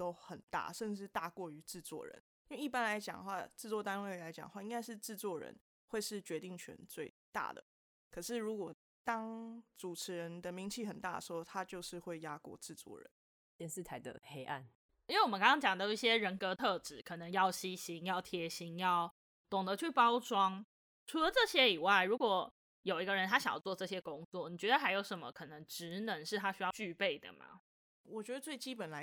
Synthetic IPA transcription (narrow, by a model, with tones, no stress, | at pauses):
t̪o˥ʊxə˨˩nt̪a̰˥˩ʂə˥˧nʈ͡ʂɻ̩˥˧t̪a˥˧kwɔ˥˩y˧˦ʈ͡ʂɻ̩˥˧t͡swɔ̰˥˩ɻə̰˧˦n | i˥nwe˥˧ɪi˥˩pa˦nla˧˦ɪt͡ɕjɑ̰˨˩ŋxwa˥˧ʈ͡ʂɻ̩˥˧t͡swɔ˥˩t̪a˦nwe˥˩ɪla˧˥ɪt͡ɕjɑ̰˨˩ŋxwa˥˧ĩ˥ŋka˥ɪʂɻ̩˥˧ʈ͡ʂɻ̩˥˧t͡swɔ˥˩ɻə̰˧˥n | xwe˥˧ɪʂɻ̩˥˩t͡ɕɥɛ˧˥t̪i˥˩ŋt͡ɕʰɥɛ̰˧˦nt͡swe˥˧ɪt̪a̰˥˩d̪ə̰˩ | kʰɤ˨˩ʂɻ̩˥˩ɻu˨˧˥kwɔ˨˩ | t̪ɑ˥ŋt͡su˨˩ʈ͡ʂʰɻ̩˧˥ɻə˧˦nd̪ə˧mi˧˥ŋt͡ɕʰi˥˩xə˨˩nt̪a˥˩d̪ə˩ʂxo˥ʊt̪ʰa˦˥t͡ɕjo˥˧ʊʂɻ̩˥˧xwe˥˩ɪja˥kwɔ̰˥˧ʈ͡ʂɻ̩˥˧t͡swɔ̰˥˨˩ɻə̰˧˦nn | t̪jɛ˥˧nsɻ̩˥˨t̪ʰa˧˦ɪd̪ə̰˨˩xe˥ɪʔa̰˥˩n | i˥we˥˩wmə˦kɑ˥ŋʰɑ˥ŋt͡ɕjɑ˨˩ŋd̪ə˦i˥˩ɕjɛ˦˥ɻə˧˥nkɤ˧˥t̪ʰɤ˥˧ʈ͡ʂɻ̩˨˩˦kʰɤ˨˩nə˧˦ŋjɑ˥˩ʊɕi˥ɕi˧˥ŋjɑ˥˩ʊt̪ʰjɛ˧˥ɕi˧˥ŋjɑ˥˩ʊ | t̪ʊ˨˩ŋd̪ə˨t͡ɕʰy˥˩pɑ˥ʊʈ͡ʂwɑ˥ŋ | ʈ͡ʂʰu˧˥lə˨ʈ͡ʂɤ˥˨˩ɕjɛ˦˥i˨˩wa˥˩ɪɻu˧˥kwɔ˨˩ | jo˨˩ʊi˧˥ɡə˧ɻə˧˦nt̪ʰa˥ɕɑ˨˩ŋjɑ̰˥ʊt͡swɔ˥˧ʈ͡ʂɤ˥˩ɕjɛ˥kʊ˦ŋt͡swɔ˥˨ni˨˩t͡ɕɥɛ˧˥d̪ə˧˩xa˧˥ɪjo˧˥ʊʂə˧˥nmə̰˨kʰɤ˨˩nə˧˦ŋʈ͡ʂɻ̩˧˦nə˧˦ŋʂɻ̩˥˩t̪ʰa˥ɕy˥jɑ˥˧ʊt͡ɕy˥˧pe˥˩ɪd̪ə̰˩ma̰˩ | wɔ˨˩t͡ɕɥɛ˧˥d̪ə˧t͡swe˥˩ɪt͡ɕi˥pə˨˩nla˧˦ɪ